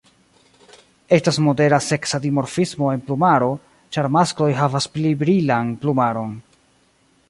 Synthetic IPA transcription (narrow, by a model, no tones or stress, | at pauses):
e̞stasmo̞de̞ɾase̞ksadimo̞ɾfismo̞e̞nplumaɾo̞ | t͡ʃaɾmasklo̞jɦavasplibɾilanplumaɾo̞n